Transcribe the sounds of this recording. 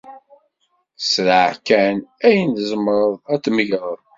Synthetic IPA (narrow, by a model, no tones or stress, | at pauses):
sɾəʕkænæjənd̪zˤəmɾˤəðˤæt͡sːməʝɾˤəðˤ